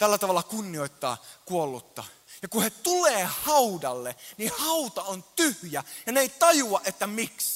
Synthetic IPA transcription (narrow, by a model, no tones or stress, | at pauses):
t̪ælːæt̪ɑʋɑlːɑkunːioit̪ːɑ̰ːkuolːut̪ːɑ̰ | jɑkuhet̪uleːhɑudɑlːenihɑut̪ɑont̪yhjæjɑneeit̪ɑjuɑʔʔet̪ːæmiks